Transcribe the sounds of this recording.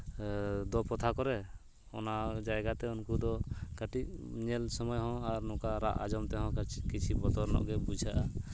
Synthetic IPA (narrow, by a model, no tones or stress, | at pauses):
d̪ɔpɔt̪ʰakɔɾɛ | ɔ̰nad͡ʒajɡat̪ɛunkud̪ɔkaʈiʔ̚ɲɛlsɔmɔjɦɔ̃aɾnɔ̃kaɾa̰ʔa̰d͡ʒɔmt̪ɛɦɔ̥̃kit͡ʃʰibɔt̪ɔɾnɔ̰ʔɡɛbud͡ʒʱaʔa